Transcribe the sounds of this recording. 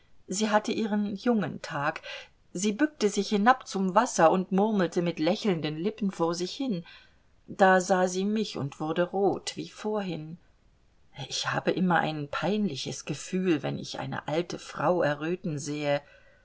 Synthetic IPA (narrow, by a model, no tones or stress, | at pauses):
ziːɦatəʔiːʁənjʊŋəntʰaːk | ziːbʏk̚təzɪçhɪnapt͡sʊmvasɐʊntmʊʁml̩təmɪtlɛçl̩ndənlɪpn̩foːɐzɪçhɪn | d̥aːzaːziːmɪçʊ̰ntv̥ʊɐdəʁoːtv̥ḭːfoːɐɦɪn | ʔɪçha̰ːbəʔɪmɐʔa̰ɪnpʰaɪnlɪçəsɡ̥əfyːlvɛ̰nɪ̰çʔa̰ɪnə̰ʔa̰ltʰəfʁ̥aʊʔɛɐʁøːtn̩zeːə